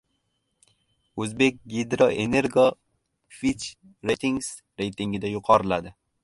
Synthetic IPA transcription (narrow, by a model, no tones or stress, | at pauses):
uzbek̚ɡid̪ɾɑʔeneɾɡo | fit͡ʃ | ɾet̪ʰiŋɡs | ɾejt̪iŋɡid̪ajuqɑɾlad̪ɪ